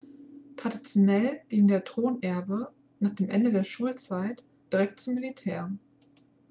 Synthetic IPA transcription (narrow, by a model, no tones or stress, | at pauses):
tʁ̥adit͡sjonɛlɡ̥iːŋ̩deːɐtʁ̥oːnʔɛɐbə | naːχd̥eːmʔɛndədeːɐʃuːlt͡saɪt | d̥iʁɛk̚t̚t͡sumːilitʰɛːɐ